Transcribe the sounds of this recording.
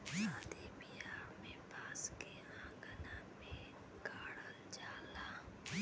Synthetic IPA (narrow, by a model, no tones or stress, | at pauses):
sãːd̪ebiaːɾmẽbaːske | ãːɡənamẽ | ɡaːɽəld͡ʒaːlaː